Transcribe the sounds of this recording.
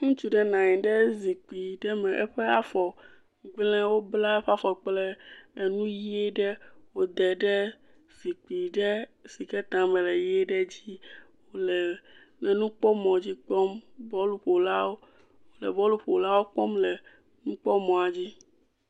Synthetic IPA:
ŋũ˦t͡ʃu˦ɖɛ˨nã˨ɲɛ̃˨ɖɛ˦zi˨k͡pi˨ɖɛ˦mɛ̃˨ʔe˦ɸe˦a˦fɔ˨ | ɡ͡blɛ̃˦wo˦bla˦e˦ɸa˦fɔ˨k͡plɛ˦e˨nũ˦ji˦e˦ɖɛ˦wo˨d̪ɛ˨ɖɛ˦ | z̥i˨k͡pi˨ɖɛ˦si˨ke˦t̪ã˨mɛ̃˨lɛ˨je˦ɖɛ˦d͡ʑi˦ | wo˦lɛ˨ | nɛ̃˨nũ˦k͡pɔ˦mɔ̃˨d͡ʑi˦k͡pɔ˦mbɔ˦lu˦ɸo˨la˦wo˦ | wo˨lɛ̰˨bɔ˦lu˦ɸo˨la˦wo˦k͡pɔ˦mlɛ˨ | nũ˦k͡pɔ˦mɔ̃˨a˨d͡ʑi˦

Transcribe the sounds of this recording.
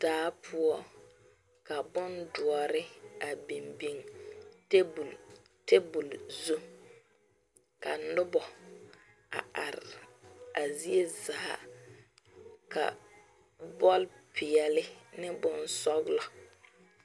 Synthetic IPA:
d̥aː˦pʰʊ˦ɔ˦ | ka˨bʊ˦ndʊ˨ɔ˨ɾɪ˦a˨bi˨mbi˨ŋte˦bu˨l | te˦bu˨lzu˦ | ka̰˨lʊ˦bɔ˨ | a̰˨a˨ɾɪ˨a˨zi˦e˦za˨ha̰˨ | ka̰˨ | bɔ˦lpʰɪ˨ɛ˨lɪ˦nɪ˦bʊ˦nsɔ˦ɡlɔ˨

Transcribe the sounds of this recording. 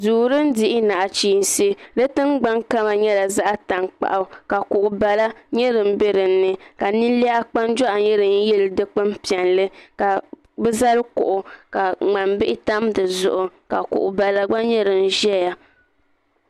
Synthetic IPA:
duː˨ɾɨ˦n̩˦dɪ˦ʔɪ˦na˨ʔa˨t͡ʃiː˦˨n˨si˦de˦tɨ˦ŋɡ͡ba˦ŋka˦ma˨ɲɛ˦la˨za˦ʔa˦ta˨ŋk͡pa̰˨ʔa˨ka˨kʊ˨ʔʊ˨ba˨la˦ɲɛ˦ɾɨ˨m̩˦bɛ˦ɾɨ˨n̩ː˦ɨ˦ka˨nɨ˦n˦li˦a˦a˦k͡pa˦nd͡ʒɔ˦ʔa˨ɲɛ˦ɾɨ˨n˦jɛ˦ldɨ˦k͡pɨ˦m˦pi˨ɛ˨nlɨ˦ka˨ | bɛ˦za˦ɾɨ˦kʊ̰˨ʔʊ˨ka˨ŋ͡ma˨mbɪ˦ʔɪ˦ta˦mdɨ˨zʊ̰˨ʔʊ˨ka˨kʊ̰˨ʔʊ˨ba˨la˦ɡ͡ba˦ɲɛ˦ɾɨ˨n̩˦ʒɛ˦ja˦

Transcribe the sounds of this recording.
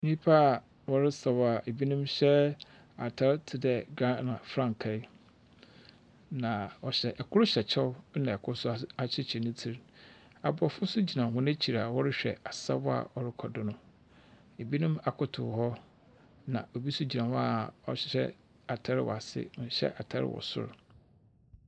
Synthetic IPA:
nĩ˦pʰa˦˨ | wɔ˦ɾɪ˦sa˨wa˨ʔe˨bi˦nũ˦mɕɛ˦ | a˨tʰa˦ɾtʰɪ˨dɛ˨ɡɾã˦nã˨fɾã˦˨ŋ˨kʰɛ˨˦ | nã˨ɔ˨ɕɛ˦ʔɛ˨kʰʊ˦ɾʊ˦ɕᶣɛ˨t͡ɕʰɛ˦nã˨ɛ˨kʰʊ˦ɾsʊ˦˨a˨t͡ɕʰɪ˦t͡ɕʰɛ˨nʊ̃˦tʰi˨ɾ | a˨bʊ˨ɔ˨fʊ˦sʊ˦d͡ʑi˨nã˨ɦʊ̃˦nɛ̃˦t͡ɕʰi˨ɾa˨wɔ˦ɾɪ˦ɕᶣɛ̰˨a˨sa̰˦bɔ˦a̰˨ʔɔ˨ɾɪ˦kʰɔ˨dʊ˦nʊ̃˦ | e˨bi˦nũ˦ma˨kʰʊ˦tʰʊ˨hɔ˦ | nã̰˨ʔo˨bi˦sʊ˦d͡ʑi˨nã˨ha˨ɔ̰˦ɕɪ̥˦˨ɕɛ̰˦ | a˨tʰa˦ɾɪ˦wɔ̰˨a˨sɪ̰˦˨˦ɕɛ̰˦ʔa˨tʰa˦ɾɪ̰˦wɔ̰˨sʊ̰˦ɾ

